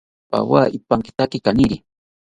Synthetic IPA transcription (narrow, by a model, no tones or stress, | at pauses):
pa̰waːipaŋkɪ̥t̪akɪkaniɾi